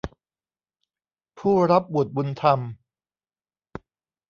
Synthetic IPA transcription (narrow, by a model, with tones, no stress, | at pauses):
pʰuː˥˩ɾa˦˥p̚bu˨˩ət̪̚bu˧nt̪ʰa˧m